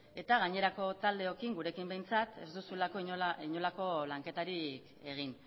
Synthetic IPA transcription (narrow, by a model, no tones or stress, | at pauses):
e̞t̪aɣaɲe̞ɾako̞t̪ald̪e̞o̞kiŋɡuɾe̞kimbe̞jnt͡sat̪e̞zd̪usulako̞iɲoiɲo̞lako̞laŋke̞t̪aɾik | e̞ɣ̞in